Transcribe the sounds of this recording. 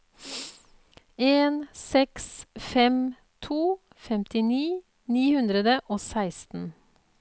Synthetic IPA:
eːnsɛksfɛm | t̪ʰuː | fɛmt̪ɪniː | niːhʉnd̪ɾəd̪əʔoːsæɪst̪n̩

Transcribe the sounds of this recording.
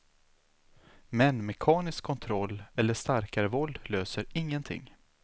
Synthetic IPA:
mɛnmɛkʰɑːnɪskʰːɔnt̪ʰɾɔlːɛlːəʂt̪aɾkaɾəvɔld̪løːsəɾɪŋːənt̪ʰɪ̰ŋː

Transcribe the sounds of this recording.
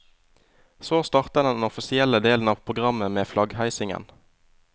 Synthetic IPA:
soːst̪ɑʁt̪əd̪ɛnɔfɪsɪɛləd̪eːln̩ɑːʋpʰʁʊɡʁɑməmeːflɑɡhæɪsɪŋə̰n

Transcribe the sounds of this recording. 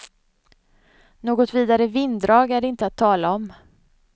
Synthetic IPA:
noːɡɔt̪viːd̪aɾəvɪnd̪ɾɑːɡæɖɪnt̪əat̪ʰːɑːlaɔm

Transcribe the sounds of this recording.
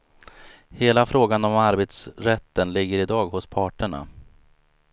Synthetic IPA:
heːlafɾoːɡanɔmaɾbeːt̪sɾɛt̪ːənlɪɡːəɾɪd̪ɑːɡhʊspʰɑːʈəɳa̰

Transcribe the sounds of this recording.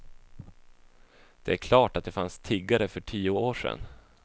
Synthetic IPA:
d̪̥ɛæɾkʰlɑːʈat̪̚d̪ɛfanst̪ʰiːɡaɾəfœʈʰiːʊoːʂɛ̰n

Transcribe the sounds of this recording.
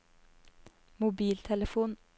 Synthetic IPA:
mʊbiːlt̪ʰɛləfuːn

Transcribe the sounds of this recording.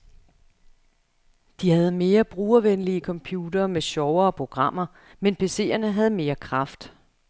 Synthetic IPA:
d̥ihæð̞̩ˠme̝ːɐb̥ʁuːɐʋenliəkʰɒ̽mpʰjuːd̥ɐːmeɕɒʊɐːpʰʁo̝ɡ̥ʁɑ̈m̰ɐ | menpʰe̝se̝̰ːɐnəɦæð̞̩ˠme̝ːɐkʰʁɑ̈fd̥

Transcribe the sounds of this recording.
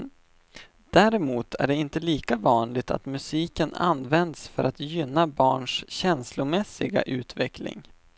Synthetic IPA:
d̪̥æːɾɛmuːt̪ʰæ̰ɖɛɪnt̪əliːkavɑːnlɪɡ̚t̪ʰa̰t̪mɵsiːkəna̰nvɛnd̪sfœɾʔat̪jʏnːabɑːɳʂɕɛnslʊmɛsːɪɡa̰ʔʉ̟ːt̪vɛklɪ̰ŋ

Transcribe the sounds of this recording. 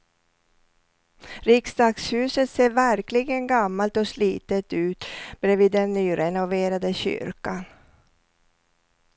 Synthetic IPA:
ɾɪksd̪ɑːɡshʉ̟ːsət̪seːvæɾklɪɡənɡamːalt̪ɔsliːt̪ət̪ʉ̟ːt̪bɾeːviːd̪ːɛnːyːɾɛnʊveːɾad̪əɕʏ̰ɾkan

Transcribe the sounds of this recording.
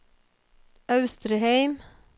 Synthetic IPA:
ɑʉst̪ɾəheɪm

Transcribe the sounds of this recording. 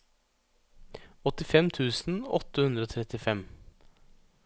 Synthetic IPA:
ɔt̪ɪfɛmt̪ʰʉːsn̩ɔ̰t̪ːəhʉnd̪ɾəoːt̪ʰɾɛt̪ɪfɛm

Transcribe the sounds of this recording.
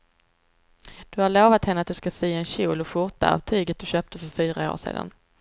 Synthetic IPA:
d̪̥ɵhaɭoːvat̪hɛnːəat̪̚d̪ɵskasiːɛnɕuːlɔɧʊɾʈ̪a̰a̰vt̪ʰyːɡət̪̚d̪ɵɕøːp̚t̪əfœɾfyːɾao̰ːʂḛːd̪a̰n

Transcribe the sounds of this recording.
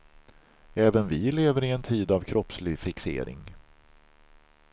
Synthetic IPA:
ɛːvənvɪleːvəɾɪɛnt̪ʰiːd̪avkʰɾɔpslɪɡfɪksḛːɾɪ̰ŋ

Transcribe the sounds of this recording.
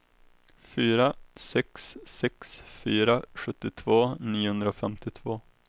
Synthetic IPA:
fyːɾasɛksːɛksfyːɾaɧɵt̪ːɪt̪ʰvoːniːʊhɵnd̪ɾaofɛmt̪ɪt̪ʰvoː

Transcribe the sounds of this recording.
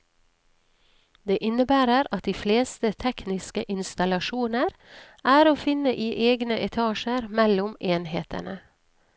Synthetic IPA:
d̪eːʔɪnəbæːɾəɾɑt̪̚d̪iːfleːst̪ət̪ʰɛknɪskəʔɪnst̪ɑlɑʃuːnəɾ | æːɾoːfɪnəʔiːʔeːɡnəʔɛt̪ʰɑːʃəɾmɛlʊmeːnheːt̪ʰə̰nə

